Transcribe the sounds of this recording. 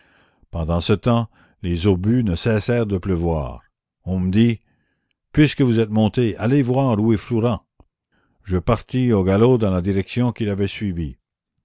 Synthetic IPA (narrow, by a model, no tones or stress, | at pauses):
pɑ̃d̪ɑ̃sət̪ɑ̃ | lezobynəsɛsɛːʁd̪əpləvwa̰ːʁ | ɔ̃məd̪i | pɥiskəvuzɛt̪mɔ̃t̪ealevwaːʁuefloʁɑ̃ | ʒəpaʁt̪ioɡalod̪ɑ̃lad̪iʁɛksjɔ̃kilavɛsɥivi